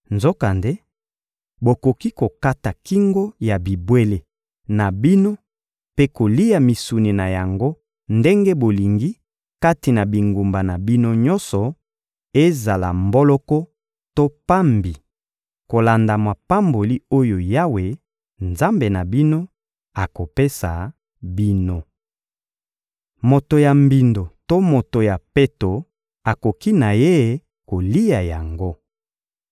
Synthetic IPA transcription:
nzo˦ka˨nde˦ | bo˨ko˨ki˦ko˨ka˦ta˨ki˦ŋɡo˦ja˨bi˨bwe˦le˨ | na˨bi˦no˦ | pe˦ko˨li˦ja˨mi˨su˨ni˨na˨ja˨ŋɡo˦ | nde˦ŋɡe˦bo˨li˨ŋɡi˦ | ka˦ti˨na˨bi˨ŋɡu˨mba˨na˨bi˦no˦ɲɔ˦nsɔ˨ | e˦za˨la̰˨mbɔ˦lɔ˦kɔ˦ | to˦pa˦mbi˨ | ko˨la˨nda˨mwa˨pa˦mbo˨li˦o˦jo˨ja˦we˨ | nza˦mbe˨na˨bi˦no˦ | a˨ko˨pe˦sa̰˨ | bi˦no˦ | mo˨to˨ja˨mbi˨ndo˨to˦mo˨to˨ja˨pe˦to˨ | a˨ko˨ki˦na˨je˦˨ | ko˨li˦ja˨ja˨ŋɡo˦

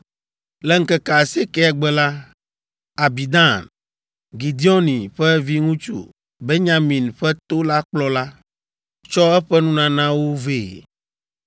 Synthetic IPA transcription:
lɛ˦ŋ̩˦kɛ˨ka˨se˦kɛ˦ɛ˨ɡ͡bɛ˦la˦ | a˨bi˨d̪ã˦˨n | ɡi˨d̪i˦ɔ˦nĩ˨ɸɛ˦vi˦ŋũ˦t͡ʃṵ˦ | be˦ɲã˦mĩ˨nɸɛ˦t̪o˦la˦k͡plɔ˦la˦ | t͡ʃɔ˦ɛ˦ɸɛ˦nũ˦nã˨nã˦wo˦ve˦˨

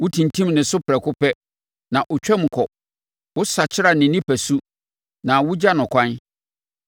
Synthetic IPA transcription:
wʊ˦tʰĩ˨ntʰĩ˦mnɪ̃˨sʊ˦pʰɾɛ˨kʰʊ˦pɛ˦ | nã˨ʔʊ˨t͡ɕᶣɛ˦m̃˨kʰɔ˨ | wʊ˦sa˨t͡ɕʰɪ˦ɾa˨nɪ̃˨nĩ˦pʰæ˨su˦ | nã˨wʊ˦d͡ʑa˦nʊ̃˨kʰʷã˦n

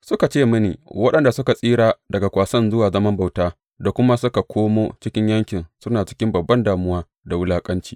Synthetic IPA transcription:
sʊ˦ka˨t͡ʃeː˦˨mʊ˦nḭː˨wɐ˦ɗɐ˨nda˨sʊ˦ka˨sʼiː˦ɽaː˨dɐ˨ɡa˨kʷaː˨sɐ˦nzʊ˦waː˨zɐ˦mɐ˦mba˨wtaː˦ | da˨kʷʊ˦ma˦sʊ˦ka˨kʷʰoː˦moː˦t͡ʃɪ˦kʲɪ˦ɲjɐ˦ŋkʲɪ˨nsʊ˦naː˨t͡ʃɪ̥˦kʲɪ˦mbɐ˨bːɐ˦ndaː˨mʊ˦waː˦ | da˨wʊ˦laː˦kʼɐ˦nt͡ʃi̥ː˨

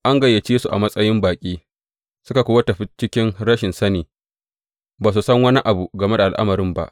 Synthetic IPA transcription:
ʔa˦ŋɡɐ˨jːɐ˨t͡ʃeː˦su˨ʔa̰˨mɐ˦sʼɐ˦jɪ˦mbaː˨kʲʼiː˦ | sʊ˦ka˨kʷʊː˦wɐ˦tɐ˨ɸɪ˦t͡ʃɪ˦kʲɪ˦nɽɐ˦ʃɪ˨nsɐ˦neː˨ | baː˨s̬u˨sɐ˦ŋwɐ˦ni˦ʔa˨bu˨ɡɐ˨me˦da˨ʔa˨lʔa̰˦mɐ˨ɾɪ˦mba̰˦ʔ

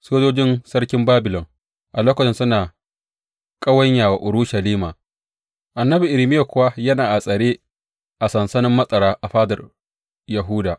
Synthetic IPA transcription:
soː˦d͡ʒoː˦d͡ʒɪ˦nsɐ˦rkʲɪ˦mbaː˦bɪ˨lɔ˨ŋ | ʔa˨loː˦kʷɐ˨t͡ʃɪ˨nsʊ˦naː˨ | kʼɐ˦wɐ˦ɲjaː˨wa˨ʔʊ˨ɽu˦ʃɐ˨liː˦maː˨ | ʔa˨nːɐ˦bi˨ʔɪ˨lɪ˨mɪ˦ja˨kʷʊ˦wa˦jɐ˦naː˨ʔa˨sʼɐ˨ɽeː˦ | ʔa˨sɐ˨nsɐ˦nɪ˦mːɐ˦sʼɐ˨ɾaː˦ʔa˨ɸaː˦dɐ̰˨r | jɐ˨ɦu˦daː˨ʔ

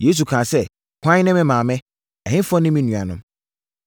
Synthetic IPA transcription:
je˦s̬u˨kʰãː˨sɛ˦ | kʰʷã˦ɲ˦nɛ̃˦mɪ̃˦mãː˨mɛ̃˦ | ɛ˨hɪ̃˦fɔ̃˦nɪ̃˦mĩ˦nũ˨a˨nʊ̃˦m

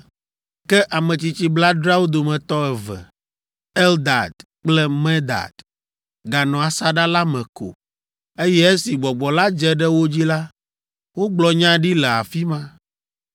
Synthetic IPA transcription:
kɛ˦ʔa˨mɛ̃˨t͡ɕi˨t͡ɕi˦bla˦dɾa˦wo˦d̪o˨mɛ̃˨t̪ɔ˦ɛ˨vɛ̰˨ | ɛ˦ld̪a̰˨d̪ | k͡plɛ˦mɛ̃˦d̪a̰˨d̪̥ | ɡa˨nɔ̃˨a˨sa˦ɖa˦la˦mɛ̃˨ko̰˨ | e˦jɛ˦e˦si˨ɡ͡bɔ˨ɡ͡bɔ˨la˦d͡ʒɛ˨ɖɛ˦wo˦d͡ʑi˦la˦ | wo˦ɡ͡blɔ˨ɲã˦ɖi˦lɛ˨a̰˨fi˦mã˦

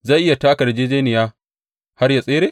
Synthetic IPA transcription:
za˦˨ʔɪ˦ja˨taː˦kɐ˨ɽd͡ʒeː˦d͡ʒeː˦nɪ˨jaː˦ | ha˦rja˨sʼeː˦ɾeː˦˨

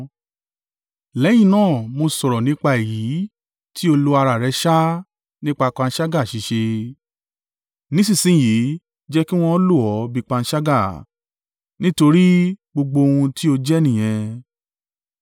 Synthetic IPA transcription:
lɛ˨˦j̃ĩ˦˨nãː˦˨mo˧sɔ˨ɾɔ˨nĩ˨˦k͡pa˧e˨ji˨˦ | ti˦o˧lo˧a˧ɾa˨ɾɛ˧˦ʃa˦ | nĩ˦k͡pa˧k͡pã˧n̩˦ʃa˦ɡa˦˨ʃi˨˦ʃe˧ | nĩ˨˦sĩ˦˨sĩ˨˦˨ji˨˦ | d͡ʒɛ˦ki˦w̃ɔ̃˧˦lu˦˨ɔ˨˦bi˧k͡pã˧n̩˦ʃa˦ɡa˦˨ | nĩ˦to˧ɾi˦ɡ͡bo˧ɡ͡bo˧o˧hũ˧ti˦o˧d͡ʒɛ˦nĩ˨j̃ɛ̃˧

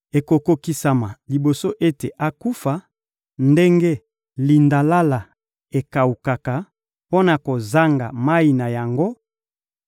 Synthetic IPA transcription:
e˨ko˨ko˦ki˦sa˨ma˨li˨bo˨so˦ʔe˦te˨ʔa˦ku˦fa˨ | nde˦ŋɡe˦ | li˨nda˨la˦la˨ | e˨ka˨u˨ka˨ka˨ | po˦na˨ko˨za˦ŋɡa̰˨ma˦i˨na˨ja˨ŋɡo˦

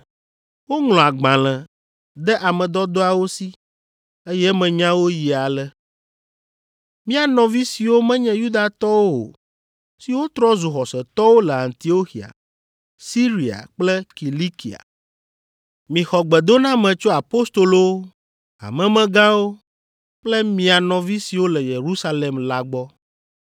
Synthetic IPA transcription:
wo˦ŋl̃ɔ̃˨a˨ɡ͡bã˨lɛ̃˨ | d̪ɛ˦ʔa˨mɛ̃˨d̪ɔ˦d̪o˦a˨wo˦si˦ | e˦jɛ˦mɛ̃˨ɲã˦wo˦ji˨a˨lɛ˦ | mĩ˦a˨nɔ̃˨vi˦si˨wo˦mɛ̃˦ɲɛ̃˦ju˦d̪a˨t̪ɔ˦wo˦o̰˨ | si˨wo˦t̪ɾɔ˦zu˨xɔ˨sɛ˨t̪ɔ˦wo˦lɛ˨a˨nt̪i˨o˦xi˨a̰˨ | si˦ɾi˨a̰˨k͡plɛ˦ki˨li˦ki˨a̰˨ | mĩ˨xɔ˨ɡ͡bɛ˨d̪o˦nã˦mɛ̃˨t͡ʃo˦a˨po˦st̪o˨lo˦ | a̰˨mɛ̃˨mɛ̃˨ɡã˦wo˦ | k͡plɛ˦mĩ˨a˨nɔ̃˨vi˦si˨wo˦lɛ˨je˨ɾu˦sa˦le˨mla˨ɡ͡bɔ˦

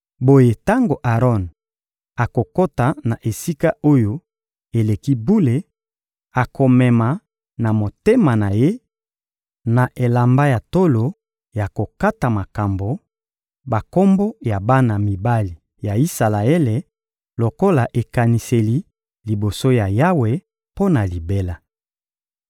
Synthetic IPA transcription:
bo˦je˨ta˦ŋɡo˨ʔa˨ʁɔ˦n | a˨ko˨ko˦ta˨na˨ʔe˨si˦ka˦o˦jo˦ | e˨le˨ki˦bu˦le˨ | a˨kʰo˨mɛ˨ma˨ | na˨mo˨te˦ma˨na˨je˦ | na˨ʔe˨la˨mba˦ja˨to˦lo˨ | ja˨ko˨ka˦ta˨ma˨ka˨mbo˨ | ba˨ko˦mbo˦ja˨ba˦na˨mi˨ba˦li˨ | ja˨i˦sa˨la˨e˦le˨ | lo˨ko˦la˨ʔe˨ka˨ni˨se˨li˦ | li˨bo˨so˦ja˨ja˦we˨ | po˦na˨li˨be˦la˨

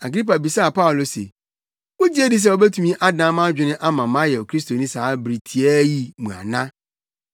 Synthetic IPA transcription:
a˨ɡɾi˦pa˨bi˨sa˦a˨pa˦ʊ˨lo˨sḛ˨ | wo˦d͡ʑi˦e˦di˨s̬ɛ˦˨ɔ˨bɛ˦tʰũ˦mĩ˦ʔa˦dnã˨˦mã˦d͡ʑᶣɪ˨nɪ̃˦ʔa˦mã˨mã˦jɛ˨ɔ˨kʰɾi˦sto˨nĩ˦saː˨˦bɾi˨tʰi˨ɛ˦ji˦˨mũ˨a̰˨nã˦

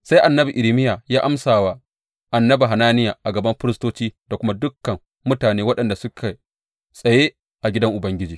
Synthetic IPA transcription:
sa˦jʔa˨nːɐ˦bi˨ʔɪ˨ɾi˨˦mɪ˦ja˨jaː˦ʔa˦msaː˨wa˦ | ʔa˨nːɐ˦bi˨ɦa˨naː˦nɪ˦ja˨ʔa˨ɡɐ˨bɐ˦mɸɪ˦ɾɪ˦stoː˦t͡ʃiː˦da˨kʷʊ˦ma˦dʊ˦kːɐ˨m | mʊ˦taː˨neː˦wɐ˦ɗɐ˨nda˨sʊ˦kʰa˨ | sʼɐ˨jeː˦ | ʔa˨ɡʲɪ˦dɐ˦ŋʔʊ˨bɐ˦ŋɡʲɪ˦d͡ʒiː˨

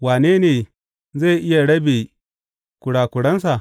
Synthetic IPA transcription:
waː˨neː˦neː˨ | ze˦˨ʔɪ˦ja˨ɽɐ˦beː˨ | kʷʊ˨ɽaː˨kʷʊ˨ɽɐ˦ns̬a˨

